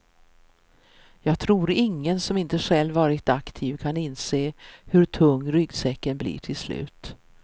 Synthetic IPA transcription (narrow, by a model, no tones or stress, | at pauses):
jɑːɡt̪ʰɾuːɾɪŋːənsɔmɪnt̪əɧɛlːvɑːɾɪt̪akt̪ʰiːvkʰanɪnseːhɵɾʈʰɵŋːɾʏɡsɛkːənblḭːʈʰɪlslʉ̟̰ːt̪